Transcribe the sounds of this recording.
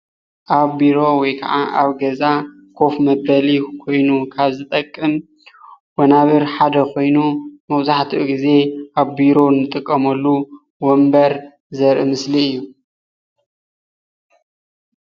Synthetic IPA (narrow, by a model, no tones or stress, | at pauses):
ʔaβbiɾo̞wɔjkʰɐ̰ʕaʔaβɡɐza | kʰo̞fmɐbɐlikʰo̞jnukʰaβzɨt̪ʼɐkʼːɨm | wɐnaβɨɾħad̪ɐkʰo̞jnumɐβzaħt̪ʰiʔɡize̞ʔaβbiɾo̞nɨt̪ʼɨkʼːɐmɐlːu | wɔmbɐɾ | zɐɾʔɨmɨsliɨjːu